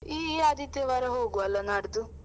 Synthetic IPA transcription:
iːad̪it̪eʋɐɾɐɦoːɡuɐlːɐnaɽd̪u

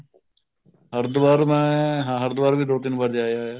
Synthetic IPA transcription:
ɦəɾd̪ʋaːɾmɛ̃ːɦãːɦəɾd̪ʋaːɾʋiːd̪oːt̪ɪnbəɾd͡ʒaːjaːaː

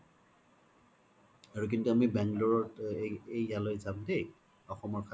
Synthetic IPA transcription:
aɹuk̬intuamibɛŋɡlɔɹɔtejːalojzamdej | ɔxɔmɔɹkʰa

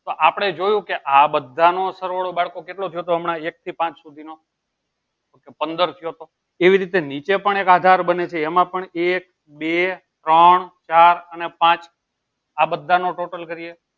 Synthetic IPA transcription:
t̪oʔapəɽ̃ed͡ʒojũkeʔabəd̪ʱːanosəɾʋaɭobaɭkokeʈlot̪ʰəjot̪̬oɦəmɳãek̚t̪ʰipãt͡ʃsud̪ʱino | okepənd̪əɾt̪ʰijot̪o | eʋiɾit̪enit͡ʃepəɳekad̪ʱaɾbənet͡ʃʰeːmãpəɳek | be | t̪ɾəɳt͡ʃaɾənepãt͡ʃ | abəd̪ʱːanoʈoʈəlkəɾie

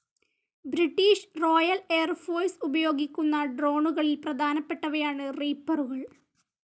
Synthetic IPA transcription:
bɾiʈːiːʂro̞ːjɐleːɐrfoːrsubɐjo̞ːɡikʲːunːɐɖro̞ːɳuɣɐɭilprɐd̪ʱaːnɐpːe̞ʈːɐʋɐjaːɳɨriːpːɐruɣɐɭ

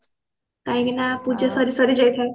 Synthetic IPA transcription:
kãj̃ɡinapud͡zasʌɾisʌɾid͡zʌjt̪ʰʌ

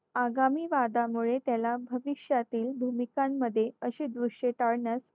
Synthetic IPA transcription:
aɡamiːʋad̪amuɭet̪jalabʱəʋiɕjat̪iːlbʱumikamːəd̪ʱːjeəɕiːd̪ʋuʂet̪aɭnəs

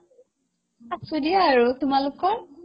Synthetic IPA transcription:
asudiaːɹutʊmalʊkːɔɹ

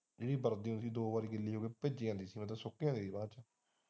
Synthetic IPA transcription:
d͡ʒeːɽiːbəɾd̪iːʊ̃nsiːd̪oːbaːɾiːɡɪlːiːɦoːɡeːped͡ʒiːãːnd̪iːsiːmət̪əsokːãːnd̪eːd̪iːbãːt͡ʃaː

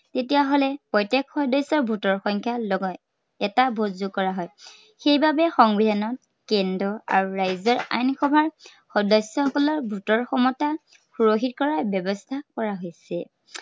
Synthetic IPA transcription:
tetijaɦolɛpɔjtekxɔdɔsɔɹbʱutɔɹxɔŋkʰjalɔɡɔt | ɛtabʱozukɔɹaɦɔj | xejbabɛxɔŋbidʱanɔt̚ | kɛndɔa̰ɹuɹajzɔɹa̰jnxɔbʱaɹ | xɔdɔsjɔxɔkɔlɔɹbʱutɔɹxɔmɔta | xuɹoxit̚kɔɹabɔbɔstʰakɔɹaɦojsɛ

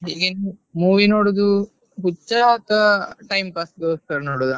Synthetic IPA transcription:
ɦiːɡenumuːʋinoːɽud̪u | ɦut͡ʃːakːɐʈɐjmpaːsɡoːskɐɾnoːɽud̪a

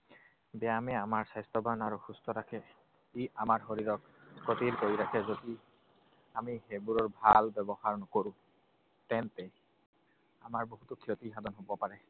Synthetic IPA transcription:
bɛamɛamaɹsajstɔbanaɹuxustɔɹakʰɛ | iamaɹxoɹiɹɔk | kotiɹkoɹiɹakʰɛzodi | amihebuɹɔɹbʱalbɛbɔxaɹnɔkoɹũ | tɛntɛ | amaɹboɦutukʰiotixadɔnɦobɔpaɹɛ

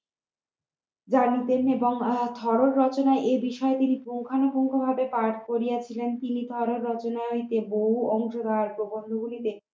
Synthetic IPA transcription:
d͡ʑanit̪eneboŋt̪ʰɔɾoɾːɔt͡ɕonaeʔebiʃɔet̪inipuŋkʰanokuŋkʰobʱabepaʈkoɾijat͡ɕʰilent̪init̪ʰɔɾoɾːɔt͡ɕonait̪eboɦuɔŋʃod̪aɾpɾobond̪ʱoɡulit̪e

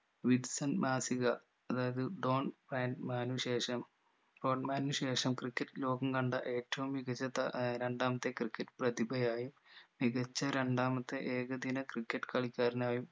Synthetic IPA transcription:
ʋiɖsɐnmaːsiɣɐ | ɐðaːjɐðɨɖo̞ːnbraːnɖmaːnuɕeːʂɐm | ɖo̞ːɳmaːnuɕe̞ːʂɐmkrikʲːɐʈːɨlo̞ːɡɐŋɡɐɳɖɐʔe̞ːtːɐʋumːiɣɐt͡ɕːɐt̪ɾeɳɖaːmɐt̪ːe̞krikʲːɐʈːprɐðibʱɐjaːjumːiɣɐt͡ɕːɐɾeɳɖaːmɐt̪ːe̞ʔeːɣɐd̪inɐkrikʲːɐʈːɨ̥kɐɭikʲːaːɾinaːjum

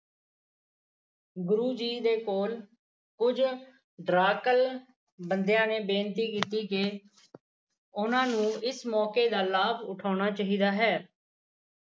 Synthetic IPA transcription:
ɡʊɾuːd͡ʒiːd̪eːkoːl | kʊd͡ʒ | ɖɾaːkəl | bənd̪ejãːneːbeːnt̪iːkiːt̪iːkeː | ʊnãːnũːɪsmɔːkeːd̪aːlaːbʊʈʰaːʊɳ̃aːt͡ʃaːɦiːd̪aːɦɛː

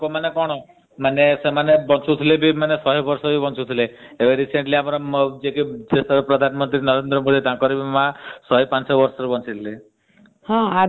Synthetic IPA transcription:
komanekɔɽ̃ɔ | manesemanebɔ̃nt͡ʃut̪ʰilebʱimanesɔɦibɔɾsɔbʱibɔnt͡ʃut̪ʰileebeɾiseɳʈliamɾɔd͡ʒekid͡ʒesɔbpɾɔd̪ʱanmɔnt̪ɾinʌɾend̪ɾɔmod̪it̪ãkɔɾibʱimãsɔɦipãnsɔbɔɾsɔbibɔnt͡ʃit̪ʰile | hɔ̃a

